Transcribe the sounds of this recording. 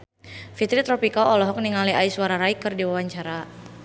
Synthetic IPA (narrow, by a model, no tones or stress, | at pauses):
fit̪ɾit̪ɾɔpikaɔlɔɦɔk̚niŋaliaisuwaɾaɾaikɨrdiwawaɲt͡ʃaɾa